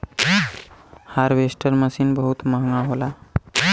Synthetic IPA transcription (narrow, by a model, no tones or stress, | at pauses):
haɾʋesʈəɾməsiːnbəɦut̪maɦŋɡaɦola